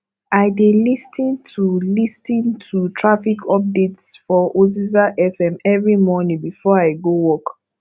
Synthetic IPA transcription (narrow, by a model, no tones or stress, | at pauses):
ʔaɪdelistʰĩntʰulistĩntʰutʰɹafikʰɔp̚detsfɔʔozizaʔɛfɛ̃mɛvɹimɔnĩŋbifɔaɪɡowɔk